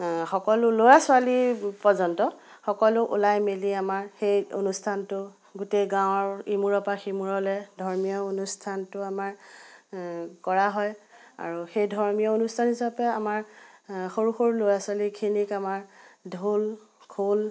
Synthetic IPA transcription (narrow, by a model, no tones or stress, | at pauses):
xɔkɔlʊlojasʊalipɔzɔntɔxɔkɔlʊʔṵlajmiliamaɹxejo̰nustʰantʊ | ɡʊtejɡãʊ̃ɔɹimuɹɔpaximuɹɔlɛdʱɔɹmijɔonustʰantʊamaɹ | kɔɹaɦɔj | a̰ɹuxejdʱɔɹmijɔonustʰanisapɛamaɹxoɹuxoɹlojasʊalikʰinikamaɹdʱul | kʰol